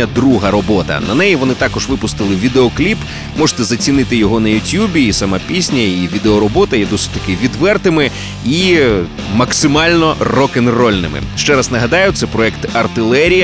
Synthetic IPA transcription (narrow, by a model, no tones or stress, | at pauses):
ɐd̪ɾuɦɐɾɔbɔt̪ɐ̰nɐ̰nɛjiʋɔnɪt̪ɑkɔʒʋɪpʊst̪ɪlˠɪʋʲid̪eɔklʲip | mɔʐe̥t̪ɛzɐt͡sʲinɪt̪ɪjɔɦɔnɐjʊtʲjubʲiːsɐmɑpʲisʲnʲɐiʋʲid̪eɔɾɔbɔt̪ɐjɛd̪ɔsʲɪ̥dʲt̪ɐkɪʋʲid̪ʋɛrt̪ɪmɪ | i | mɐksɪmɑlʲnɔrɔkɪnrɔlʲnɪ̰mɪ̰ʃt͡ʃɛɾɐznɐɦɐd̪ɑjʊt̪sɛpɾɔɛkt̪ɐrt̪ɪlˠɛɾʲijɐ